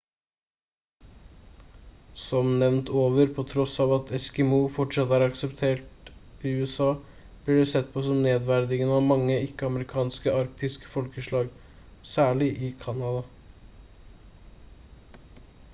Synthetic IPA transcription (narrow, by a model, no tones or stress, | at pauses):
sɔmnɛʋnt̪ʰoːʋəɾpʰɔt̪ʰɾɔsɑːʋɑt̪ʰɛskɪmuːfɔʈʂɛt̪ːəæɾɑksɛpt̪ʰeːʈ | ɪʉːɛsɑː | b̥lɪɖɛsɛt̪̚ːpʰɔsɔmneːd̪ʋæɾd̪ɪŋənɑʋmɑŋːəɪkːəɑməɾɪkʰɑːnskəɑɾk̚t̪ɪskə̥fɔlkəʂɭɑːɡ | sæːɭɪʔɪkʰɑnɑd̪ɑ